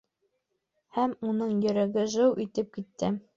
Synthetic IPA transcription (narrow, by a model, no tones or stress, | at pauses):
hæmunɤɴjɵ̆ɾæɡɘʒɤwʔit̪ɘp̚kit̪ːɘ